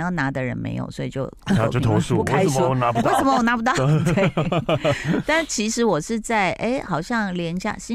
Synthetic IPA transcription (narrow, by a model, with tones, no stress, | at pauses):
jɑ˥˩na˧˥d̪ə˨ɻə̰˧˥nmḛ˧˥ɪjo̰˨˩ʊswɔ˧˥i˨˩t͡ɕjo˥˧ʊ˥˩jo˥˩t̪ʰo˧˥ʊʂu˥˧ke˥˩˥ə˨mə˥˨ɔ˨˩na˧˦˥pwu˧e˥ɪsə˧˥˦mə˧wɔ˨˩na˧˥pu˧˥t̪ɑ˥˨t̪e˥˩ | t̪a˥˩t͡ɕʰi˧˥ʂɻ̩˧˥wɔ˨˩ʂɻ̩˥˧t͡sa˥˩ɪʔe˥˩ɪxɑ˨˩ʊɕjɑ˥˩ŋljɛ˧˥nɕja̰˥˩ɕi˥